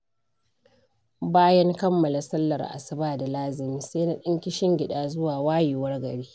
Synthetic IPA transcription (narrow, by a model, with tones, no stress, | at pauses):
baː˦jɐ˦ŋkɐ˦mːɐ˨la˨sɐ˦lːɐ̰˨rʔa̰˨sɐ˦baː˨da˨laː˦zɪ˨miː˦seː˦na˦ɗɪ˦ŋkʲɪ˦ʃɪ˦ŋɡʲɪ˨ɗaː˨zʊ˦waː˨waː˦ji˨wɐ˦rɡɐ˨ɽiː˦